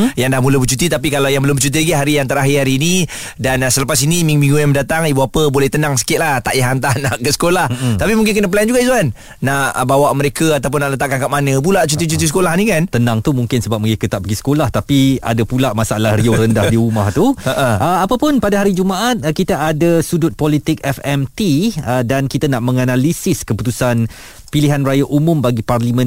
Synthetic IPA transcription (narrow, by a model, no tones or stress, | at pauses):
jaŋdahmuləbət͡ʃut̪it̪ap̬ikalawjaŋbəlʊmbət͡ʃut̪̬iaɡiɦaɾijaŋt̪əɾaɦɪhaɾini | dansələpasinĩmiŋmĩŋɡujamdat̪aŋibuapəbolɛht̪ənaŋsə̥kɪt̪̚laht̪aʔjaɦant̪ahnaʔkəsə̥kolaht̪apimuŋkɪnkənəpəlajand͡ʒuɡaʔizuanː | aʔbawaʔməɾekəat̪awp̬ʊnːaʔlət̪aʔkːankaʔ̚manə̃p̬ulaʔt͡ʃut̪̬it͡ʃut̪isə̥kolahnĩkant̪ənaŋt̪umuŋkɪnsəbap̚məŋekət̪aʔbəɡisə̥kolaht̪apia̰dapulaʔmasaalahrioɾəndahdiɾumaht̪uəʔəapapʊnpadaɦaɾid͡ʒumaʔat̪̚kit̪aadasudʊt̪̚pɔlit̪ɪk̚ɛfɛmt̪iədankit̪anaʔmə̃ŋanalisɪskəput̪usan | piliɦanrajaʔumʊ̃mbaɡiparlimə̃n